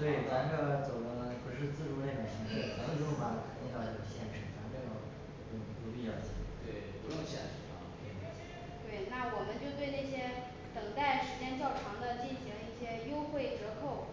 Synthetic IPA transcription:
t̪we˥˩ɪ˩a˧˥ɡə˥˧t͡so˨˩ʊkə˧˥˩nə˧ni˧˩pə˧˥ʂɻ̩˥˧t͡sɹ̩˥˧ʈ͡ʂu˥ljɛ˥˩d̪ə˩ɕi˧˥ŋə˥˩a˧˥ə˥˩ʈ͡ʂo˥fa˥˩lə˧˩kʰnt̪i˥˧nt̪ɑ˥˧˩i˥˩ə˧˩ɕjɛ˥˩nʂɻ̩˥˩t͡sʰa˧˥t̪ɛ˥˩o˥˩˥o˥˩i˧˥t̪u˥˧pi˥˧jɑ˥˩ʊt͡ɕḭ˥˩˧t̪we˥˩ɪpu˧˥jo˥˧ʊɕjɛ̰˥˩nʂɻ̩˧˥˩fɑ̰˥˧˥kʰi˨˩a˧˥˩ɛ˥ | t̪we˥˩ɪna˥˩wɔ˨˩mə˦nt͡ɕjo˥˧ʊt̪we˥˧ɪna˥˩ɪɕjɛ˥ | t̪ɤ˨˩ŋt̪a˥˩ɪʂɻ̩˧˥t͡ɕjɛ˥nt͡ɕjɑ˥˩ʊʈ͡ʂʰɑ˧˥ŋd̪ə˧t͡ɕi˥˩nɕi˧˥ŋi˥˩ɕjɛ˥jo˥ʊxwe˥˩ɪʈ͡ʂɻ̩˧˥kʰo˥˩ʊ

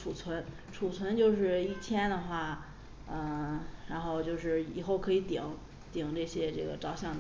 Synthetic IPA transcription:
ʈ͡ʂʰu˨˩t͡sʰwə˧˥n | ʈ͡ʂʰu˨˩t͡sʰwə˧˥nt͡ɕjo˥˧ʊʂ̬ɻ̩˥˧i˥˩t͡ɕʰjɛ˥nd̪ə˨xwa˥˩ | ə˥˧˩ɻa˧˥nxo˥˧ʊt͡ɕjo˥˧ʊʂɻ̩˥˩i˨˩xo˥˩ʊkʰɤ˧˥i˧˥t̪i˨˩˦ŋ | t̪i˨˩˦ŋʈ͡ʂɤ˥˩ɕjɛ˥ʈ͡ʂɤ˥˩ɡə̰˩ʈ͡ʂɑ˥˩ʊɕjɑ˥˩ŋd̪ə˩

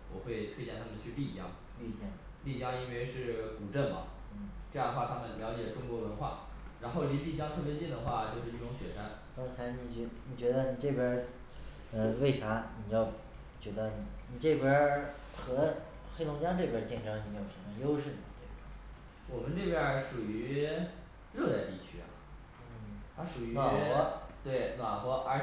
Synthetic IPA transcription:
wɔ˨˩xwe˥˧ɪt̪ʰwe˥ɪt͡ɕjɛ˥˧nt̪ʰa˥mə˨˩nt͡ɕʰy˥˧li˥˩t͡ɕjɑ˥ŋ | ly˥˧t͡ɕjɛ˥˩ŋ | li˥˩t͡ɕjɑ˥ŋi˥nwe˥˧ɪʂɻ̩˥˩ku˨˩ʈ͡ʂə˥˩nmɐ̰˨˩ | n̩˥˩ʈ͡ʂɤ˥˧jɑ˥˧ə˩xwa˥˩t̪ʰa˥mə˨nljɑ˧˥ʊt͡ɕjɛ˨˩ʈ͡ʂʊ˥ŋkwɔ˧˥wə˧˥nxwa̰˥˩ɻa˧˥nxo˥˩ʊli˧˥li˥˩t͡ɕjɑ˥ŋt̪ʰɤ˥˩pjɛ˧˥t͡ɕɛ˥˩nd̪ə˩xwa˥˧t͡ɕjo˥˧ʊʂɻ̩˥˧ɻi˥˩ʊ˧˥ŋɕɥɛ˨˩ʂa˥n | kɑ˥ŋt͡sʰa˧˥ɪni˧˥˩t͡ɕɛ˧˥ni˨˩t͡ɕɥɛ˧˥d̪ə˧ni˨˩ʈ͡ʂɤ˥˩pjə˧˥ | ə˧we˥˩ɪʈ͡ʂʰa˧˥ni˨˩jɑ˥˩ʊ | t͡ɕɥɛ˧˥d̪ə˧˩ni˨˩ni˨˩ʈ͡ʂɤ˥˩pjə˧˥ | xɤ˧˥ | xe˥ɪlʊ˧˥ŋt͡ɕja˥ʈ͡ʂɤ˥˩pjə˧˥t͡ɕi˥˩ŋʈ͡ʂɤ˧˥ŋni˧˥jo˨˩ʊʂə˧˥mə˧jo˥ʊʂ̬ɻ̩˥˩˨t̪we˥˩ba˨˩ | wɔ˨˩mə˦nʈ͡ʂe˥˩pjə˞˧˥ʂu˨˩y˧˥ | ɻɤ˥˧t͡sa˥˧ɪt̪ḭ˥˩t͡ɕʰy˥a̰˨˩ | n̩˥˩t̪ʰa˥ʂu˨˩y˧˥na˨˩ɔ˧˥t̪we˥˩ɪna˨˩xwɔ˧˥ʔə˞˧˥

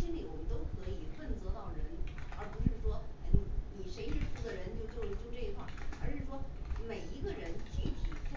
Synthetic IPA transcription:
i˥nli˨˩wɔ˨˩mə˦nt̪o˥ʊkʰɤ˧˥i˨˩fə˥˩nt͡sɤ˧˥t̪ɑ˥˩ʊɻə˧˥nə˞˧˥pu˧˥ʂɻ̩˥˩ʂwɔ˥˩n˧˥˩ni˨˩ʂe˧˥ɪʂɻ̩˥˩fu˧˥d̪ə˨ɻə˧˥nt͡ɕjo˥˧ʊt͡ɕjo˥˧ʊ˧t͡ɕjʊʈ͡ʂɤ˥˧i˧˥kʰwa˥˩ə˞˧˥ʂɻ̩˥˩ʂwɔ˥me˨˩ɪi˧˥ɡə˧ɻə˧˥nt͡ɕy˥˩t͡ɕʰi˨˩˥

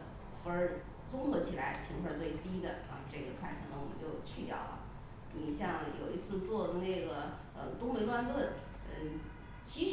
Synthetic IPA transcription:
fu˧˥ə˞˧˥ | t͡sʊ˥ŋxɤ˧˥t͡ɕʰi˨˩la˧˥ɪʂ̩˥˩pʰi˧˥ŋxʰə˥˧t͡swe˥˩ɪt̪i˥d̪ə˨ | ə̰˧ʈ͡ʂɤ˥˩ɡə˩t͡sʰwa˥˩ɪʈ͡ʂʰɤ˧˥nə˧˩wɔ˨˩mə̰˧˦nt͡ɕjo˥˧ʊt͡ɕʰy˥˧t̪jɑ̰˥˩ʊlə̰˨˩ | ni˨˩ɕjɑ˥˩ŋjo̰˨˩ʊi˧˥t͡sʰɹ̩˥˧t͡swɔ˥˩d̪ə˩na˥˩ɪɡə˩ | ə˧t̪ʊ˥ŋpe˧˥ɪlwa˥˧nt̪wə˥˩n | ə˥˩ | t͡ɕʰi˧˥ʂ

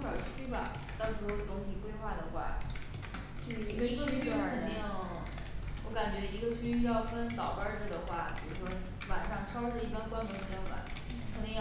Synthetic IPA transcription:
pə˨˩t͡ɕʰy˥bɐ̰˨˩ | t̪ɑ˥˩ʊʂɻ̩˧˥o˥˩ʊt̪ʊ˧˥ŋɕi˨˩kwe˥ɪxwa˥˩d̪ə˩xwa̰˥˩ | t͡ɕy˥˩˧ɡy˥kʰə˨˧˩nt̪i˥˧ŋj | wɔ̰˧˥ka˨˩nt͡ɕɥɛ˧˥i˧˥ɡə˧ɕy˥˧jɑ˥˩ʊfə˥nt̪ɑ˨˩ʊpə˥˧˩ʈ͡ʂə˨˩d̪ə˩xwa̰˥˩pi˨˩ɻu˧˥˩ʂwɔ˥ | wa˨˩nʂɑ˥˩ŋʈ͡ʂʰɑ˥ʊʂɻ̩˥˩i˧˥a˥˧nkwa˥nmə˧˥nɕjɑ˥˩ŋfa̰˨˩˦n | kʰə˨˧˥nt̪i˧˥ŋj

